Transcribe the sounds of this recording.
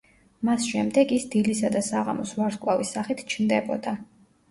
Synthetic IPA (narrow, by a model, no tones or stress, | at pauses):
masʃɛmd̪ɛɡisd̪ilisad̪asaʁa̰mɔsvaɾskʼwavisaχit̪ʰt͡ʃʰnd̪ɛbɔd̪a